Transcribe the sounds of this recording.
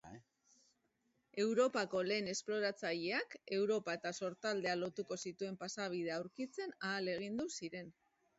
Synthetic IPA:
e̞wɾo̞pako̞le̞ːne̞splo̞ɾat͡saʎe̞ake̞wɾo̞pae̞t̪aso̞ɾt̪ald̪e̞alo̞t̪uko̞sit̪ue̞mpasaβ̞ið̞e̞awɾkit͡se̞naːle̞ɣ̞ind̪usiɾe̞n

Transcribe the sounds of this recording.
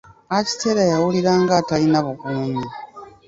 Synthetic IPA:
aci̥teɾajawuliɾaːŋɡatalinaβukuːɲa

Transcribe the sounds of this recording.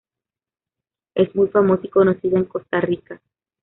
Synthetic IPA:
e̞smujfamosiko̞no̞siðaeŋko̞st̪arika

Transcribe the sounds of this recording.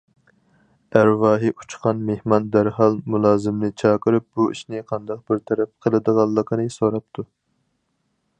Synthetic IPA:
æɾvɑːɦiʔu̥t͡ʃqʰɑnmehmɑnd̪æɾhɑlˠmulˠɑːzɪmnɪt͡ʃʰɑːqəɾɨp̚b̥uʔḭʃnɪqʰɑnd̪ɑq̚bɪɾt̪ʰɛɾɛp̚qʰəlˠɨd̪əʁɑlˠːəqʰənɨsoɾɑp̚t̪ʰu

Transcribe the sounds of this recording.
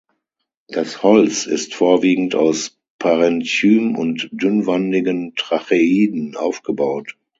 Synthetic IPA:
d̥ashɔlt͡sɪ̰stfoːɐviːɡŋ̩taʊs | pʰaʁɛntyːmʊntd̥ʏnvandɪɡəntʁ̥aχeiːdn̩ʔa̰ʊfɡ̥əbaʊt

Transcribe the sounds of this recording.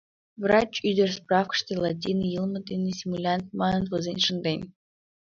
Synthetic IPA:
vrat͡ɕyd̪ʲerʲsprɑfkə̥ʂt̪elˠat̬ʲinɨjɨlˠmɤ̆d̪ʲinɨsʲimulʲant̪̚mɑnɤnt̪vɤzʲenʲʂɨnd̪enʲ

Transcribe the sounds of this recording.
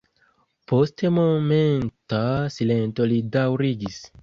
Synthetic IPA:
po̞stemo̞me̞ntasilento̞lidawɾiɡis

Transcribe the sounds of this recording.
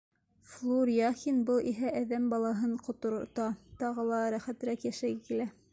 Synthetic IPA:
flˠuɾʲiɑxinbɤlˠʔiɦæʔæðæmbɑlˠɑɦɤɴqŏt̪ŏɾt̪ɑt̪ɑʁɤ̆lˠɑɾæχæt̪ɘ̆ɾækjæʃæɡɘkilæ

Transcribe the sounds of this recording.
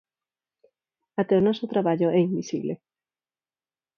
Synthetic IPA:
at̪eonɔsot̪ɾaβaʎoɛimbisḭβlḛ

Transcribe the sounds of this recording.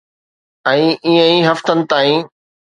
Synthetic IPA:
ɛ̃ːʔiːə̃iːɦɐft̪ənɪ̆t̪aːĩː

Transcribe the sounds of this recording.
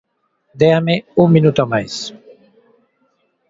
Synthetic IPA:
d̪eameuŋminut̪omajs

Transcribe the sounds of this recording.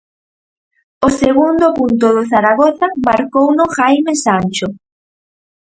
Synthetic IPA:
oseɣund̪ʊpunt̪̬ʊðʊθaɾaɣoθamaɾkownʊxajmesanʲt͡ʃʊ

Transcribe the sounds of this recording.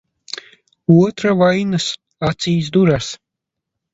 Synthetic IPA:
uɔt̪ɾavajnɨs | at̪sʲiːsd̪uɾas

